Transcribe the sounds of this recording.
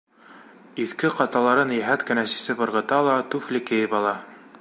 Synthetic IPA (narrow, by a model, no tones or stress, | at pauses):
iθkɘqɑt̪ɑlˠɑɾɤnjæɦæt̪kɘ̆næsi̥sɘbɤ̆ɾʁɤ̆t̪ɑlˠɑt̪ʉflɘ̆kɘ̆jɘpɑlˠɑ